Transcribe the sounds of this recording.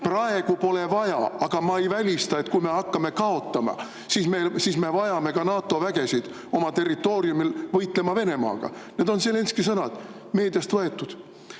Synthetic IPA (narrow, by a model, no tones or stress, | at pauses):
prɑe̞ɡ̥upo̞le̞vɑjɑ̰ɑɡ̥ɑmɑejvælʲist̪ɑe̞t̪kujme̞hɑkːɑme̞kɑo̞t̪ːˑɑmɑ̰ | sismelsiːsme̞vɑjɑme̞kɑnɑːt̪ːˑo̞væɡ̥e̞sid̪̥ | o̞mɑt̪e̞rːit̪ːˑo̞ːɾiumilvɤjt̪ˑle̞mɑve̞ne̞mɑ̰ːɡ̥ɑ̰ned̪o̞nsele̞nskis̬ɤnɑd̪̥ | me̞ːd̪̥jɑst̪vɤe̞t̪ːˑud̪̥